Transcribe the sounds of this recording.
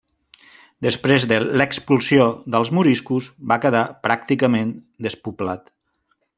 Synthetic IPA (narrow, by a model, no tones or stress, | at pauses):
d̪əspɾezðələkspulˠsjoðəlˠzmuɾiskuzbakəðapɾak̚t̪ikəmen | d̪əspuplat̪